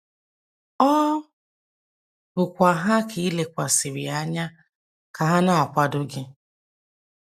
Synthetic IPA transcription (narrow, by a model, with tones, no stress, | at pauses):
ɔ˦ | bʊ˨kʷa˨ɦa˦kʰi˨i˦le˨kʷa˨sɪ˨ɾi˨a˦ɲa˦ | ka˨ɦa˦na˦˨a˨kʷa˦dʊ˦ɡɪ˦